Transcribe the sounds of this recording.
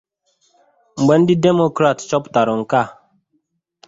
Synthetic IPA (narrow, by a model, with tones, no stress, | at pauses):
m̩˨ɡ͡bɛ˨˦n˦di˦de˦mo˨kɾa˨tt͡ʃɔ˦pta˨ɾɔ˨ŋ̩˨ka˦˨